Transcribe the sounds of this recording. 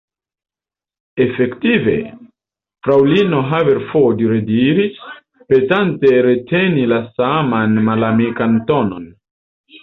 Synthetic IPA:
e̞fe̞ktive̞̰ | fɾawlino̞ɦaveɾfodiɾediɾis | pe̞tante̞ɾe̞tʰe̞nilasamanmalamikantono̞n

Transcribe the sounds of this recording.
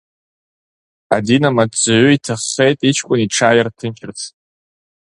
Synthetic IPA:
a̰dinamadt͡sʼʕʷʊitʰaχːe̞jtʼit͡ʃʰkʷʼʊniʈ͡ʂʰaːjartʰɨnt͡ʃʰɪrt͡sʰ

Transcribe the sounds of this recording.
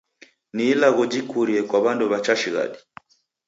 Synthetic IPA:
niːlaɣɔd͡ʒikuɾiɛkwaβanduβat͡ʃaʃiɣa̰ɗi

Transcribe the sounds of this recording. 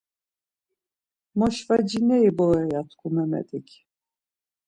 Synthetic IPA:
mɔʃvad͡ʒinɛibɔɛjat̪ʰkʰʼumɛmɛ̰t̪ʼikʲʰ

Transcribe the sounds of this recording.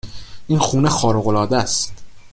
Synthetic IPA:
ʔinxuːnexɒːɾoɣolɒːd̪æst̪

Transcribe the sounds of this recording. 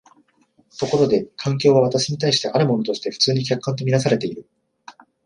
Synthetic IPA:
t̪o̞ko̞ɾo̞d̪e̞kʰãŋk̬ʲo̞ːβ̞aβ̞at̪aɕiɲ̟it̪aiɕi̥t̪e̞ʔaɾɯ̟mo̞no̞t̪o̞ɕi̥t̪e̞ɸɯ̟̥t͡sɨːɲ̟ikʲakːãnt̪o̞mʲinas̬aɾe̞t̪e̞iɾɯ̟

